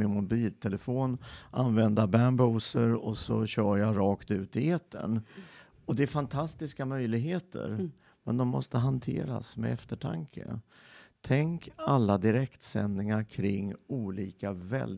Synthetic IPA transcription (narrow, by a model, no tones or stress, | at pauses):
ɪnmʊbiːlt̪ʰɛləfoːnʔanvɛnd̪abæɳbuːsəɾɔsɔ̰ɕœːjaɾɑːkt̪ʉ̟ːt̪ɪet̪ʰːə̰n | ɔd̪ɛːɾfant̪ʰast̪ɪskamœjlɪɡɦeːt̪ʰə̰ɾ | mɛnd̪ɔmːɔ̰st̪əɦant̪ʰḛːɾa̰smɛ̰ɛft̪əʈʰa̰ŋkʰə̰ | t̪ʰɛŋkalːad̪ɪɾɛkt̪sɛ̰nːɪŋaɾkʰɾɪŋːuːliːkavɛ̰l